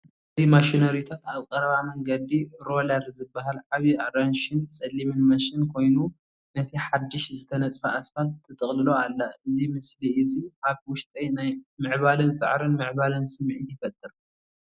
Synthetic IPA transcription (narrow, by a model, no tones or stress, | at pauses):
ʔɨzimaʃinɐɾjut̪ʰat̪aβkʼɐɾɐβamɐŋɡɐd̪iɾo̞lɐɾzɨbːaɦalʕaβjiʔaɾanʃɪnsʼɐlːimɨnmɐʃinkʰo̞jnu | nɐt̪ʰiħad̪ːɨʃzɨt̪ʰɐnɐt͡sʼfɐʔasfalt̪ʰːɐt̪ʼɨχʼlɨloalːɐɨzimɨsliʔɨziʔaβwʊʃt̪ʼɐjnajmɨʕβalɨnsʼɨ̰ʕɾɨnmɨʕβalɨnsɨmːʕit̪jɪfɐt̪ʼːɨɾu